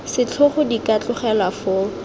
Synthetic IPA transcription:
sɪt͡ɬʰʊχʊdikat͡ɬʊχɛlafʊː

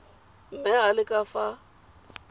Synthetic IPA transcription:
m̩mɛɦalɪkʼafa

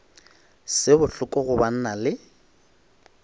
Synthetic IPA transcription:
sɪbʊɬʊkʼɔɣʊban̩nalɪ

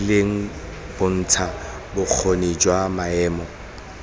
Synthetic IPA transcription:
leŋ̩ | b̥ʊn̩ːtʰa | bʊk͡xʰoned͡ʒwamaɛːmɔ

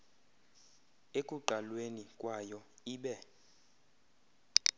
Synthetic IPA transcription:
ekʼuǃalwenikʼwajɔiːɓɛ

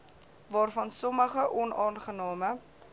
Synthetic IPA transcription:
vɑːrfɐnsɔməχəʔɔnɑːnχənɑːmə

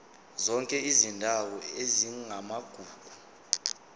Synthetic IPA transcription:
zɔŋkʼɛizindʱawɔeziŋamaɡ̥ʱuːɡ̥ʱu

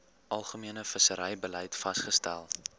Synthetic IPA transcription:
ʔɐlˠχəmiənəfəsəɾɛjbəlɛjtfɐsχəstæ̰lˠ

